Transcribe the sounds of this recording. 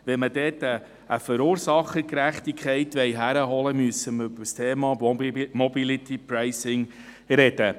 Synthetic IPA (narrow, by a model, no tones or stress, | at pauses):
ʋɛnmədɛːtəː | fœɾuːɾsɑχəkɾæχtikχɛɪtʋɛɪɦæɾəɦɔləmyəsəməɾybəstʰeːmɑːmɔbilit̪ipɾaɪsɪŋ | ɾɛd̥ə